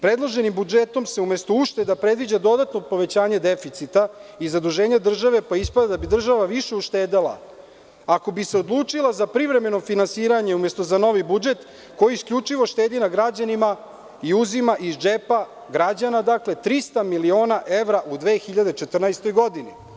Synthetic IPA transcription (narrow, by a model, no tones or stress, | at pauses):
pɾe̞d̪lˠoʒe̞nimbud͡ʒet̪o̞mseumest̪o̞uʃt̪ed̪apɾe̞d̪ʋid͡ʑad̪o̞d̪at̪nopo̞ʋe̞t͡ɕaːɲe̞d̪e̞fit̪sit̪aizad̪uʒe̞ːɲad̪r̩ʒaʋe̞paispad̪ad̪abid̪r̩ʒaʋaʋiʃe̞uʃt̪eːd̪alˠa̰ | ako̞biseo̞d̪lˠuːt͡ʂilˠazapɾivɾe̞me̞no̞finansiːɾaɲeume̞st̪o̞zano̞ʋibud͡ʒe̞t̪ | ko̞jiːskʎʲut͡ʃiʋo̞ʃt̪e̞ːd̪inaɡɾad͡ʑanima | iuzimaʔizd͡ʒepa | ɡɾad͡ʑanad̪akle̞t̪ɾist̪amilio̞ːnaʔe̞ʋɾaʔud̪ʋe̞ːxiʎad̪et͡ʃet̪r̩najst̪o̞jɡo̞d̪ini